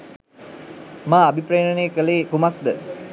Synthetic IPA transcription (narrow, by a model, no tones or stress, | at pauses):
maːbipɾeːnəneːkəleːkumak̚d̪ə